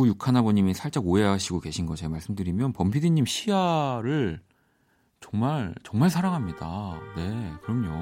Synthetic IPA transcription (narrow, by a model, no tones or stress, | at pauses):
ujukʰanɦabʌɲimisʰaɭt͡ɕ͈aɡoe̞ɦaɕʰiɡoke̞ɕʰinɡʌt͡ɕʰemaɭs͈ɯmdɯɾimjʌnpʌmpʰidiɲːimɕʰijaɾɯɭ | t͡ɕʌŋmaɭt͡ɕʌŋmaɭsʰaɾaŋɦamɲida̰ne̞kɯɾʌmɲo